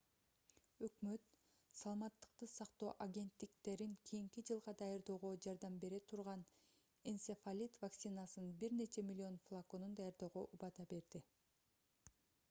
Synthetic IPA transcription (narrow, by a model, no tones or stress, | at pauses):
ø̞kmø̞t̪ | sɑlˠɑmɑt̪ːɯ̥qt̪ɯsɑqt̪o̞ːʔaɡʲe̞nt̪ːikt̪e̞ɾiŋkʰijiŋkid͡ʒɯlˠʁɑd̪ɑjɑɾd̪o̞ːʁo̞d͡ʒɑɾd̪ɑmbe̞ɾe̞t̪ʰuɾʁɑn | ensefalʲit̪vaksinasɯnbiɾne̞t͡ʃe̞mʲilʲːio̞nflˠakonund̪ɑjɑɾd̪o̞ːʁoʔubɑd̪ɑbe̞ɾd̪i